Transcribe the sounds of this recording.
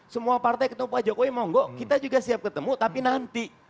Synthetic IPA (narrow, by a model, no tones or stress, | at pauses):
səmuapart̪ajkət̪əmupad͡ʒakoimɔŋɡɔkit̪ad͡ʒuɡasiap̚kət̪əmut̪apinant̪i